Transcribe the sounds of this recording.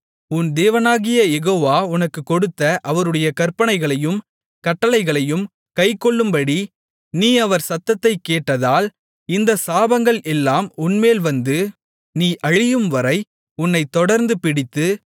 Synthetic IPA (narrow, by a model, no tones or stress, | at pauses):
ʊnd̪eːʋɐnaːɣɪjɐjɛɣoːʋaːʊnɐkːɯkːɔɽɯt̪ːɐʔɐʋɐɾɯɽɐjɐkɐɾpɐɳɐɪɣɐɭɐjɯm | kɐʈːɐlɐɪɣɐɭɐjɯm | kɐɪkːɔɭːɯmbɐɽi | niːɐʋɐɾsɐt̪ːɐt̪ːɐɪkːeːʈːɐðaːl | ɪnd̪ɐsaːbɐŋɡɐɭʔɛlːaːmʊnmeːlʋɐnd̪ɯ | niːʔɐɻɪjɯmʋɐɾɐɪ | ʊnːɐɪt̪ːɔɽɐɾnd̪ɯpɪɽɪt̪ːɯ